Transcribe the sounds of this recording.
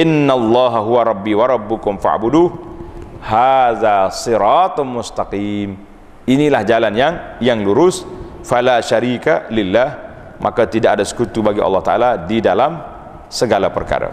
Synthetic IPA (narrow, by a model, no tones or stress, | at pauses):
ʔɪnːalˤːɑɦaɦuwaɾˤɑbːiːwaɾˤɑbːʊkʊmfa̰ʕbudu | haðasɨɾɑt̪mʊst̪aqiːm | ʔinilahd͡ʒalanjaŋjaŋluɾʊs | falaʃaɾiːkalɪlːah | mʔakat̪idaʔadasə̥kut̪ubaɡiʔɑ̰lːɑht̪aʔaladidalam | səɡalapə̰rka̰ɾa̰